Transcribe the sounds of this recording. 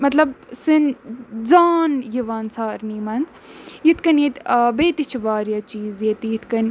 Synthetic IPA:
mɐt̪lɐbsɨnd͡zaːnjiʋaːnsaːɾniːmɐnz | jit̪ʰkɐnjet̪ːbeːt̪it͡ʃʰiʋaːɾjaːt͡ʃiːzjet̪jit̪ʰkɐnʲ

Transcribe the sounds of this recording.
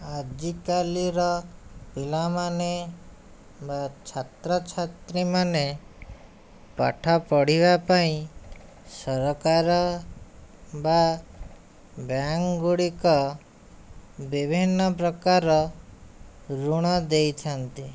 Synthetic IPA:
ad͡ʒikaliɾɔpilamane | bat͡ʃʰat̪ɾɔt͡ʃʰat̪ɾimane | pa̰ʈʰɔpɔɽ̤iβapaĩ | sɔɾɔkaɾɔ | ba | bjaŋɡuɽikɔ | bibʱinːɔpɾɔkaɾɔ | ɾuɽ̃ɔd̪ejt̪ʰɔnt̪i

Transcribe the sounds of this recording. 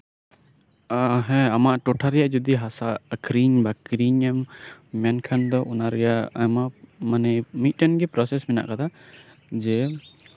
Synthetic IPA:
aɦɛ̃amaʔʈɔʈʰaɾɛjaʔd͡ʒɔd̪iɦasakɾiɲbakɾiɲɛmːankʰand̪ɔʔunaɾɛjaʔamaʔmanɛmit̪̚ˀʈanɡɛpɾɔsɛsmɛna̰ʔkat̪ʰa | d͡ʒɛ

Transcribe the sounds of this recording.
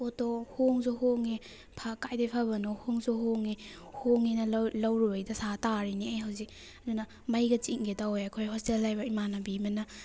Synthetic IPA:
otɔhoŋzohoŋi | pʰakajdejpʰabɐnɔhoŋzoɦoŋi | hoŋinɐlawɾubajdɐsataɾiniajɦawzi | ɐdunɐ | mɐjɡɐt͡ʃiŋɡetawojɐkʰojhɔstelːajbɐimanɐbimɐnɐ

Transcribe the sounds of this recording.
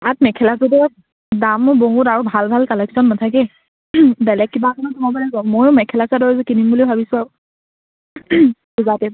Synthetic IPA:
atmɛkʰɛlasɔtɛ | damboŋɡutaɹubʱalbʱalkɔlɛksɔnːatʰak̬ɛ | bɛlɛkːibakɔnɔtɔmabalɛɡɔmojʊmɛkʰɛlasadɔɹɛzɛkinimbulibʱabisʊ̃aɹu | buzatɛ

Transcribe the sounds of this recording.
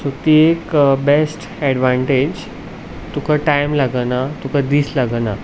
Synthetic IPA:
sot̪iːekbesʈ | ɛɽʋãɳʈed͡ʑ | t̪ukaʈajmlaɡnat̪ukãd̪iːslaɡna

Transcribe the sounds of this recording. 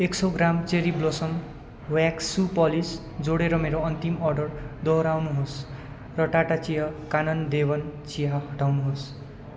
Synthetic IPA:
eksoɡramt͡seɾiblosʌm | waksupʌlis | d͡zoɽeɾʌmeɾoʌnt̪imʌrɖʌrd̪ʌɾawnuɦos | rʌʈaʈat͡sijʌkanʌnd̪ebʌnt͡sijʌɦʌʈawnuɦos

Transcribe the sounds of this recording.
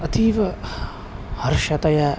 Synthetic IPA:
ɐt̪ʰiːʋɐ | hɐɾʃɐt̪ɐja

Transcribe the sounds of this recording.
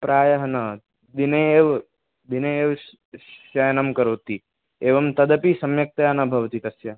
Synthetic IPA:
pɾaːjɐɦɐnɐ | d̪ineeːʋ | d̪ineeːʋ | ʃɐjɐnɐmkɐɾoːt̪i | eːʋɐmt̪ɐd̪ɐpisɐmjɐk̚t̪ɐjaːnɐbʱɐʋɐt̪it̪ɐsjɐ

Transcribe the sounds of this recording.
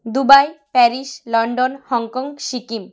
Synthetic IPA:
d̪ubajpɛɾiʃlɔɳɖonhɔŋkɔŋɡʃikim

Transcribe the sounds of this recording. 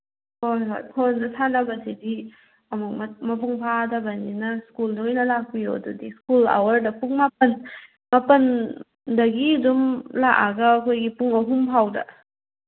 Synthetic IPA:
hojɦo̰jpʰondɐsʰanɐbɐsʰidi | ɐmuk̚mɐmɐp̬uŋpʰadɐbɐninɐskuldojnɐlak̚pijo̰dudiskula̰wɐɾdɐpuŋmapɐn | mapɐn | dɐɡidumlaʔaɡɐːkʰojɡipuŋɐɦumpʰawdɐ̰

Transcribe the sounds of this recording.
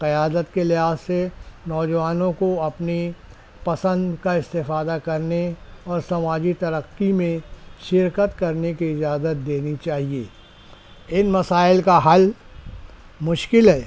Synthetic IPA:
qɐjaːd̪ət̪kelɪɦaːzːenɔːd͡ʒəʋaːnõkoɐpni | pɐsə̃nd̪kaɪst̪ɪfaːd̪akɐɾneɔːɾsɐmaːd͡ʒit̪ɐɾəqːimẽʃɪɾkət̪kɐɾnekiɪd͡ʒaːzət̪̚d̪eːnit͡ʃaːɦieː | ɪnmɐsaːɪlkaɦɐl | mʊʃkɪlɦɛː

